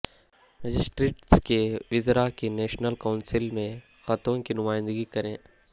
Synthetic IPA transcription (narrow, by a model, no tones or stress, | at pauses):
ɾɐd͡ʒɪsʈɾeːʈskeʋɪzɾakenɛːʃnəlkaːʊnsɪlmẽ | xɐt̪õkinʊmaːɪ̃nd̪əɡikɐɾẽː